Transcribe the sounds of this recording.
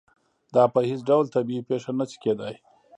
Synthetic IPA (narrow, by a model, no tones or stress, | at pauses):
d̪ɑːpəhɪt͡sɖawlt̪abiipeʂanasi̥ked̪aj